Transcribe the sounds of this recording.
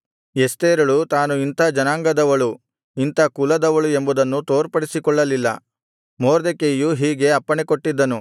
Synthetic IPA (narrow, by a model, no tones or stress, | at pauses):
est̪eːɾɐɭut̪aːnuint̪ɐd͡ʒɐnaːŋɡɐd̪ɐʋɐɭu | int̪ɐkulɐd̪ɐʋɐɭue̞mbud̪ɐnːut̪oːɾpɐɽisikɔɭːɐlilːɐ̰ | moːɾd̪ekejuɦiːɡe̞ɐpːɐɳekoʈːid̪ːɐnu